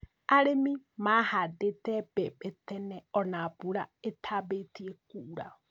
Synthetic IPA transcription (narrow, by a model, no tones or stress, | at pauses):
aɾemimahad̪et̪ɛb̥ɛbɛt̪ɛnɛɔnabuɾa̰et̪ʰabet̪iɛkuɾa̰